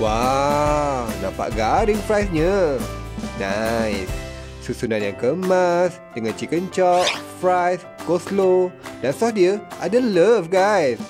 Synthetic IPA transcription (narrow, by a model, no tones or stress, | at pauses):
wa | nã̰pa̰ʔɡaɾiŋfɾajsɲə | najsː | usunanjaŋkəmas | dəŋãnt͡ʃikənt͡ʃɔʔ̚fɹajs | koslodansɔfdiəʔadələfɡajs